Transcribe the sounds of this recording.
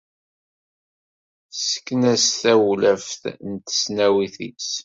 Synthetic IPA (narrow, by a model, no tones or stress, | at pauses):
sə̥kːnæsθæwlæfθnt̪ə̥snæwiθḭs